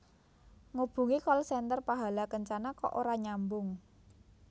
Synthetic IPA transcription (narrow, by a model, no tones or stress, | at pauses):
ŋub̥ṳŋikɔlsɛnt̪ərpaɦa̤lakəɲt͡ʃanakɔ̰ʔoɾaɲambʊŋ